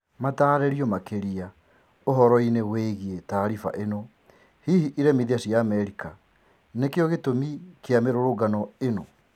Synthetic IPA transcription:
mataːɾɛɾiɔmakeɾia | oɦɔɾɔineɣweɣietaːɾifa̰ʔeno | hihiʔiɾɛmiðiasiaːmɛɾika | nekeɔɣetomikeameɾoɾoɡanɔeno

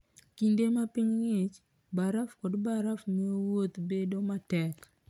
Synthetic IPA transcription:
kindemapiŋŋɪt͡ʃ | baɾafkɔdbaɾafmɛowot̪bedomatɛk

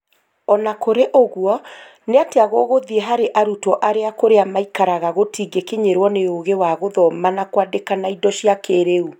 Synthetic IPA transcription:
ɔnakoɾeʔoɣwɔ | neateaɣoɣoðieɦaɾeʔaɾutɔʔaɾeakoɾeamaikaɾaɣaɣotiɡekeɲeɾwɔneoɣewaɣoðɔmanakwadekanaidɔʃiakeɾeu

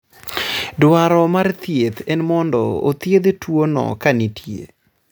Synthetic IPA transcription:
dwaɾɔmart̪jet̪ɛnmɔndɔ̰o̰t̪jed̪twonɔ̰kanitʰjḛ

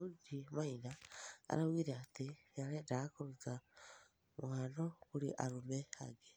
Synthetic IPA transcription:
udimainaa̰ɾawiːɾeati | aɾedakoɾuza | muŋanokuɾḭʔaɾumea̰ɡe

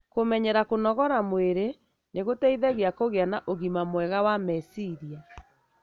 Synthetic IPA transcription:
komɛɲɛɾakonɔɣɔɾamweɾe | neɣotɛiðɛɣeakoɣeanaʔoɣimamwɛɣawamɛsiɾia

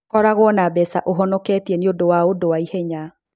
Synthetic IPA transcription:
kɔɾaɣwɔnabɛsa̰ʔoɦɔnɔkɛtiɛneodowaodowaiheɲa

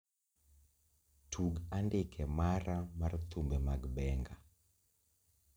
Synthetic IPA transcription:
tʰuɡandɪkʰɛmaɾamart̪umbɛmaɡbɛŋɡa

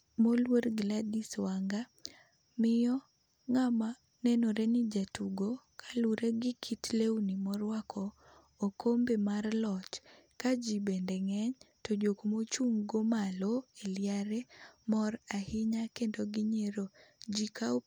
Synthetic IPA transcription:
molweɾɡladiswaŋɡa | mɪjɔ | ŋama | nɛnoɾenɪd͡ʒatuɡokʰḁluɾeɡɪkʰitlewnimɔɾwakʰɔː | kʰombemarlɔt͡ʃ | kad͡ʒibendeŋɛɲtod͡ʒokmot͡ʃuŋɡomaloeljaɾemɔrahɪɲakendoɡɪɲeɾod͡ʒika

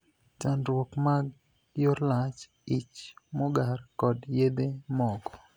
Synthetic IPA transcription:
t͡ʃanɾwokmaɡ | joɾlat͡ʃ | it͡ʃmoɡarkɔdjed̪emɔkɔ̥

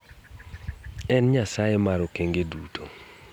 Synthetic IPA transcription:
ɛnɲasajemaɾɔkeŋɡedutʰo̰

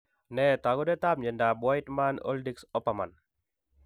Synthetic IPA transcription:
nɛt̪aɡodet̪ap̚ɲɛndabajt̪mano̰ldiksɔpama̰n

